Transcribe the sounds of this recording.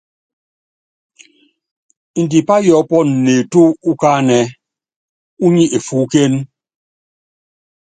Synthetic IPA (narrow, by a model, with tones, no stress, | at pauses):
i˨n˨di˨pa˦jɔ˨˦pɔ˦n̩˨ne˨tu˦u˦ka˦nɛ˨ | u˦ɲi˦ʔe˨fu˨˦ke˦n